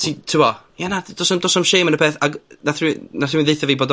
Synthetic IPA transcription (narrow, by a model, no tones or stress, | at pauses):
tʰitʰuwɔjanad̥osɔmdɔsɔmʃeːmənəpʰeːθaɡnaθrinaθiinðejθaviːboːdɔ